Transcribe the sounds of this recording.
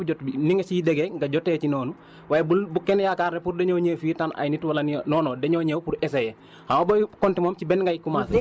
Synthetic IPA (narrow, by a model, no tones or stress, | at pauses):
ud͡ʒɔtiniŋesideɡɛŋɡaɟɔtːɛt͡ʃinɔːnu | wajbubukːɛnjakaɾnɛpuɾdeɲoɲeːfitana̰jnitwalɐnnɔːnɔːdeɲoɲewpuɾɛsejɛ | hamabokɔntimomt͡ʃibɛnŋɡajikːumas